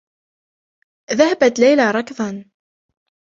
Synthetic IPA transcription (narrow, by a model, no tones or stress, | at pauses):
ðahabat̪lajlaɾˤɑkðˤɑn